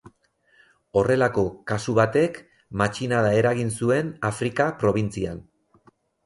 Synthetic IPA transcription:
o̞re̞lako̞kasuβat̪e̞k | mat͡ʃinaðae̞ɾaɣinsue̞nafɾikapɾo̞β̞int͡sian

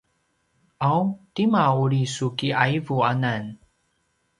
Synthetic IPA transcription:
awtimauɾisukiajvuanan

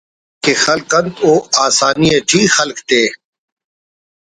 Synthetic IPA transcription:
keːxəlkənt̪oːaːsaːnieːʈʰiːxəlkt̪eː

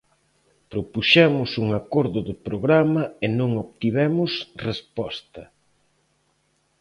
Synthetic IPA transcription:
pɾopuʃɛmʊsuŋakɔɾðʊðʊpɾoɣɾamɐenõŋoβt̪iβɛmʊsrespɔst̪ɐ

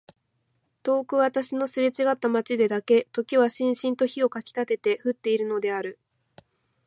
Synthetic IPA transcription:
t̪o̞ːkɯ̟βat̪aɕino̞sɨɾet͡ɕiɡat̪ːamat͡ɕid̪e̞d̪ake̞t̪o̞kʲiβaɕĩɰ̃ɕĩnt̪o̞çio̞kakʲi̥t̪at̪e̞t̪e̞ɸɯ̟t̪ːe̞iɾɯ̟no̞d̪e̞aɾɯ̟

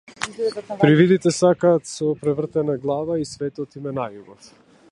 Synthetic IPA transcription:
pɾivid̪it̪ɛsakaːt̪sɔpɾɛvr̩t̪ɛnaɡlˠavaisvɛt̪ɔt̪imɛnajubɔf

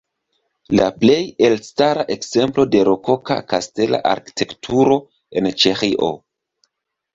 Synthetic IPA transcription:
laple̞jelstaɾaʔe̞kze̞mplo̞de̞ɾokoka̰kaste̞la̰ʔa̰ɾki̥tʰe̞ktʰuɾo̞ | e̞nt͡ʃexiʔo̰

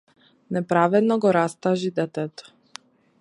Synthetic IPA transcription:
nɛpɾavɛd̪nɔɡɔɾast̪aʒid̪ɛt̪ɛt̪ɔ̥

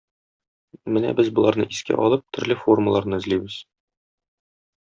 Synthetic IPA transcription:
mɘnæ̰bɘzbŭlˠɑɾnɤʔiskæ̰ʔɒlˠɤp̚t̪ɵ̆ɾlɘfo̞rməlˠɑɾnɤɘ̆zlibɘz̥

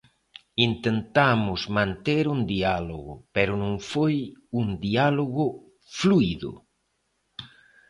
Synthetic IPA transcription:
int̪ent̪amʊzmãnt̪eɾund̪ialoɣʊpeɾʊnõŋfojund̪ialoɣʊ | fluiðʊ̰

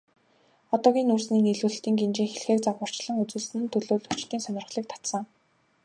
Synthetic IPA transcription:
ɔt̪ɔːɣʲiːnursniːniɮuːɬt̪iːŋɡent͡ɕiːŋxeɮxeːk̚t͡saʁʊːr̥t͡ɕɮə̆ŋut͡sɘ̆ɮsɘ̆nt̪ʰɵɮoːɮut͡ɕt̪iːnsœnʲɪ̆rχɮiːk̚t̪ʰḁt̪sə̆ŋ

